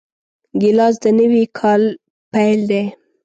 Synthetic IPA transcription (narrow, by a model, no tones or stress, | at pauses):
ɡɪlɑzd̪ənəwikʰɑl | pajld̪e